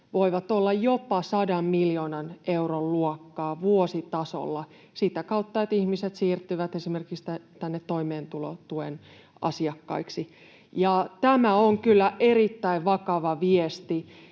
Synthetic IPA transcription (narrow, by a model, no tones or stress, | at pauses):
ʋoiʋɑt̪olːɑjjopɑsɑdɑmmiljoːnɑneurolluɔkːɑːʋuosit̪ɑso̰lːɑ | sit̪ækɑut̪ːɑjet̪ihmiset̪siːrt̪ːyʋæt̪esimerkikst̪æt̪ænːet̪ːoimeːnt̪ulo̰t̪uen | ʔɑ̰siɑkːɑ̰iksi | jɑt̪æmæoŋkylːæʔerit̪ːæiʋʋɑkɑʋɑʋiest̪i